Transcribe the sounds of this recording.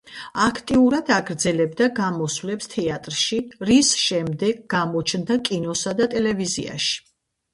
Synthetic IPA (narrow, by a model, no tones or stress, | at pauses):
akʰt̪ʼiuɾad̪̥aɡɾd̪zɛlɛbd̪aɡamɔsvlɛpst̪ʰɛat̪ʼɾʃiɾisʃɛmd̪ɛɡɡamɔt͡ʃʰnd̪akʼinɔsad̪at̪ʼɛlɛvizia̰ʃi̥